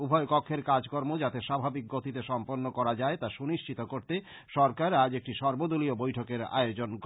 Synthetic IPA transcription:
ubʱɔekokʰːeɾkad͡ʑkoɾmod͡ʑat̪eʃabʱabik̚ɡot̪it̪eʃɔmpoɾnːokɔɾad͡ʑaet̪aʃuniʃt͡ɕit̪okoɾt̪e | ʃɔɾkaɾad͡ʑek̚ʈiʃɔɾbod̪uliobojʈʰokeɾa̰eod͡ʑonk

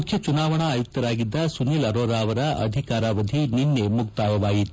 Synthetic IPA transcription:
ukʰjɐt͡ʃunaːʋɐɳɐaːjuk̚t̪ːɐɾaːɡid̪ːɐsunilɐɾoːɾaːʋɐɾɐɐ̰d̪ʱikaːɾaːʋɐd̪ʱininːemuk̚t̪aːʋɐʋaːjit̪ː

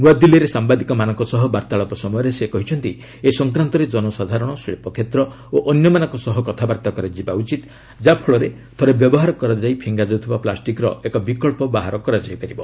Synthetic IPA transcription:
nuad̪ilɔɾesambad̪ikɔmanɔŋkɔsɔɦɔbaɾt̪aɭɔpɔsɔmɔjɔɾesekɔɦit͡ʃʰɔnt̪i | esɔŋkɾant̪ɔɾed͡ʒɔnɔsad̪ʱaɾɔɽ̃ɔsɭḛpɔkʰet̪ɾɔ | oʔɔnjɔmanɔ̃ŋkɔsɔɦɔkɔt̪ʰabaɾt̪akɔɾad͡ʒibaut͡ʃit̪ | d͡ʒapʰɔɭɔɾe | t̪ʰɔɾebjɔbɔɦaɾɔkɔɾad͡ʒaipʰiŋɡad͡ʒɔt̪ʰibaplasʈikɾɔekɔbikɔɭpɔbaɦaɾɔkɔɾad͡ʒajpaɾibɔ

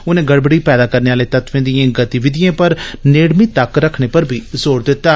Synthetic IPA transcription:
ʊnẽːɡəɽbəɽiːpɛːd̪aːkəɾneːaːleːt̪ət̪ʋẽːd̪ijãːɡət̪iʋɪd̪ɪjãːpəɾneːɽmiːt̪əkɾəkʰɳ̃eːpəɾbʱiːzoːɽd̪ɪt̪ːaː

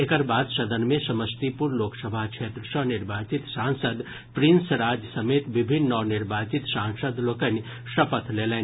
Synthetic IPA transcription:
ekəɾbaːd̪ʃɐd̪ənmẽsɐməst̪ipuɾloːksəbʱakt͡ʃʰeːt̪ɾəsə̃nɪɾbaːt͡ʃit̪sãːnsəd̪ | pɾinsɾaːd͡ʒjəsɐmeːt̪ʋɪbʱɪnːɔːɾnɪɾbaːt͡ʃit̪sãːŋsəd̪loːkən | ʃɐpət̪ʰleːlẽn

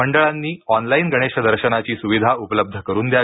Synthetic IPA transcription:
əɳɖəɭanːiːɔnlainɡəɽ̃eɕəd̪əɾɕənat͡ɕiːsuʋid̪ʱaupələb̚d̪ʱəkəɾuːnd̪ja

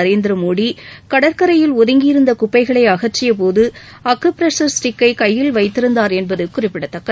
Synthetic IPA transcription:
ɐɾeːnd̪ɪɾɐmoːɽikɐɽɐɾkɐɾɐjɪlɔðɪŋɡɪɪɾɯnd̪ɐkʊpːɐɪɣɐɭɐɪɐɣɐʈt͡ʃːɪjɐp̬oːðɯ | ɐkːɯpɾɛsɐɾsʈɪkːɐɪkɐjːɪlʋɐɪt̪ːɪɾɯnd̪aːɾɛnbɐðɯkʊrɪpːɪɽɐt̪ːɐkːɐ

